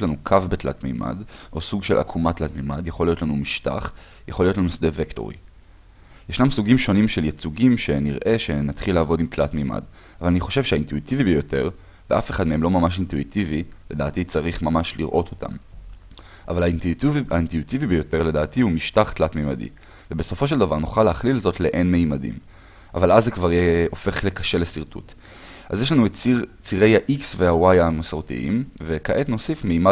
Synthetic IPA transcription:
lanukʰavbetla̰tmḛma̰dʔo̞suɡʃe̞lʔa̰kʰumatlatmemadjaχo̞lːijotlanumiʃta̰χ | jaχo̞lijotlanusd̪eve̞kto̞̰ʁḭ | jeʃnamusuɡimʃo̞nimʃe̞ljet͡suɡimʃe̞niʁʔe̞ʃe̞nat̪χilaːvo̞dimtlatmema̰d | valaniχo̞ʃe̞vʃeaintuitivibejo̞te̞ʁ | veafe̞χadmeemlo̞mamaʃ̬intuitivile̞daːtit͡saʁiχmamaʃliʁʔo̞tʰo̞̥tʰa̰m | ʔa̰valainvia̰intuitivibejo̞teledaːtiumiʃtaχtlatmejma̰dḭ | vebeso̞foʃ̬e̞ldavaʁnuχaleaχlilzo̞tleʔenmeimadḭm | ʔa̰valʔazːekvaʁjeo̞feχle̞kaʃe̞lesiʁtṵt | ʔa̰zjeʃlanut͡siʁe̞jhaʔiksvehawajamasaʁtḭʔḭmvekaʔe̞tno̞sifmeima

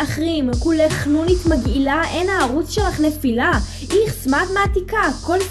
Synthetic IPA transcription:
aχʁimkuleχnunit̪maɡilaenaːʁut͡sʃelaχnefila | ʔiχsmatmeat̪ikako̞l

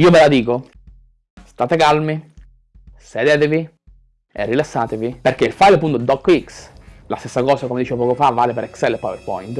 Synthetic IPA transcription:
iːovelad̪iːko | st̪aːt̪ekalmi | sed̪eːt̪evi | ḛrːilasːaːt̪eviperk̟eilfajlp̬unt̪od̪ɔkːikslast̪esːakɔːsakomed̪it͡ʃevopɔːkofavːaːlepeɾɛksɛlːepːɔjperpɔ̰jnt̪

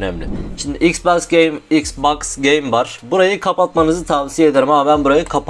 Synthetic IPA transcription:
nɛmlʲɪʃind̪iʔiksbaksɟejmiksbaksɟejmvaɾ̥buɾajɯkʰapat̪manɯzɯt̪ʰavsijae̞d̪eɾimamabænbuɾajɯkʰap

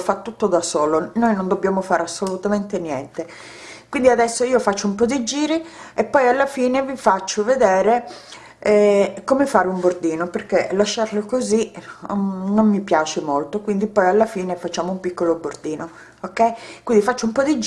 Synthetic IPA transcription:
fat̪ːut̪ːod̪asoːlonojnond̪obːjaːmofaːɾasːolut̪ament̪enjɛ̰nt̪e | kwind̪iad̪ɛsːoiːofat͡ʃːoumpɔd̪id͡ʒiːɾiepːɔjalːafiːnevifat͡ʃːoved̪ɛːɾe | ɛkomefaːɾeumbord̪iːnoperkelaʃːarlokozi | nomːipjaːt͡ʃemolt̪okwind̪ipɔjalːafiːnefat͡ʃːaːmoumpikːolobord̪iːno | okːɛjkwind̪ifat͡ʃːoumpɔd̪id͡ʒ

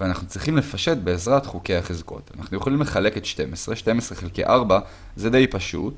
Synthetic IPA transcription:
veanaχnut͡sʁiχimle̞faʃe̞t̚be̞ːzʁatχuke̞jaχezko̞̰tana̰χnujeχolimle̞χale̞ketʃte̞mesʁeʃte̞mesʁeχelkḭʔaʁba | zed̪e̞jpaʃṵt

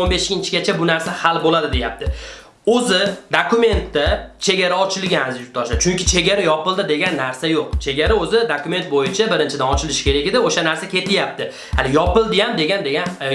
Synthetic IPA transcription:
onbeʃɡʲɪnt͡ʃʰɪɡʲat͡ʃʰabʊnaɾsahalbolad̪ɪd̪e̞jap̚t̪ɪ | ɵzɪd̪akʰʊme̞nt̪ːat͡ʃʰe̞ɡʲaɾaɒt͡ʃʰɪlɡʲaazjʊt̪ʰɒʃd̪at͡ʃʰʊŋkʲɪt͡ʃʰe̞ɡʲaɾajɒpɪlˠd̪ɪd̪e̞ɡʲanːaɾsajoq̚t͡ʃʰe̞ɡʲaɾaɵzɪd̪akʊme̞nt̪̚bojɪt͡ʃʰabɪɾɪnt͡ʃʰɪd̪anɒt͡ʃʰɪlɪʃɪ̥kʲe̞ɾakʲɪd̪ɪoʃanaɾsakʲʰe̞t̪ʰɪjap̚t̪ɪ | halɪjɒpɪlˠd̪ɪjamd̪e̞ɡʲand̪e̞ɡʲan

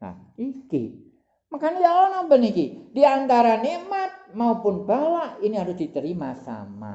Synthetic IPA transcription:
a̰ | ikḭ | makanijalɔnɔmbənikid̥iant̪aɾanemat̪̚maupʊnb̥alaʔiniɦaɾʊsd̪̥it̪əɾimasa̰ma̰

